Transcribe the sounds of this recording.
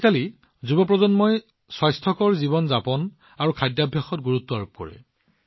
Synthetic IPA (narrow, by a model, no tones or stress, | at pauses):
kali | zubɔp̬ɹɔzɔnmɔj | sɔjstʰɔkɔɹzibɔnzapɔn | aɹukʰajdjabʱjaxɔt̚ɡuɹutːɔaɹup̚kɔ̰ɹɛ̰